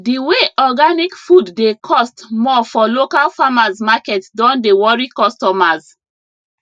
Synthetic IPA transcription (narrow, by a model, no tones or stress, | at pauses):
diweʔɔɡanikfudːekʰɔstmɔfɔlokalfamazmakɛtdɔ̃ndewɔɹikɔstɔmaz